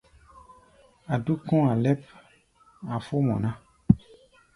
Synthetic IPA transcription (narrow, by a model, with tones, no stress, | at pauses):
a˨du˦kɔ̃˦a˨lɛ˦p | a˨fo˦mɔ̰̃˨nã˦